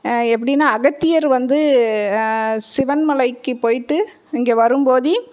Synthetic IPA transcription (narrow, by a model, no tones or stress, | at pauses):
ɛpːɐɽɪnːaːɐɣɐt̪ːɪjɐɾʋɐnd̪ɯ | sɪʋɐnmɐlɐɪkːɯpoːjɪʈːɯ | ɪŋɡeːʋɐɾɯmpoːði